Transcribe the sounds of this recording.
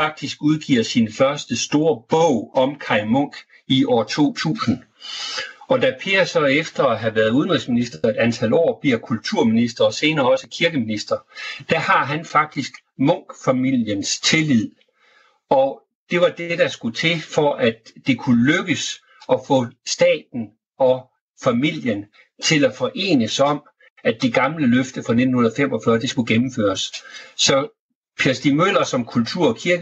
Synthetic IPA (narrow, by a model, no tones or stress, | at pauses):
fɑ̈ɡ̥̚d̥isɡ̥uð̞ˠɡ̥ḭɐsinfɶɐsd̥əsd̥o̝ːɐb̥ɔʊ̰ɒ̽mkʰɑ̈ɪmɔ̽ŋ̰ɡ̥ | iʔɒ̰ːt͡sʰo̝̰ːt͡sʰṵːsn̩ | ɒ̽d̥æpʰe̝ɐsɒ̽efd̥ɐɦæʋæːɐð̩ˠuð̞ˠənʁisminisd̥ɐe̝d̥ænt͡sʰæl̰ɒ̰ːb̥liɐkʰult͡sʰuɐ̰minisd̥ɐɒ̽se̝ːnɐːɒ̽səkʰiɐɡ̥əminisd̥ɐd̥æhɑ̈ɦænfɑ̈ɡ̥̚d̥isɡ̥ | mɔ̽ŋ̰ɡ̥fæmil̰jənst͡sʰe̝lið̰ˠ | ɒ̽ | d̥e̝ʋɑ̈d̥ed̥ɑ̈sɡ̥ut͡sʰe̝fɒ̽ʔæd̥ːe̝kʰuløɡ̥əs | ɒ̽fɔ̽sd̥ɛ̰ːd̥n̩ | ɒ̽ | fæmil̰jən | t͡sʰe̝læfɒ̽ʔe̝̰ːnəsɒ̽m̰ | æd̥e̝ɡ̥ɑ̈mləløfd̥əfɑ̈ne̝d̥n̩hunðˠfem̰ɒ̽fɶɐd̥eisɡ̥uɡ̥emm̩fø̰ːɐssɒ̽ | pʰiɐsd̥imøl̰ɐsɒ̽mkʰult͡sʰuɐ̰ɒ̽kʰiɐɡ̥ə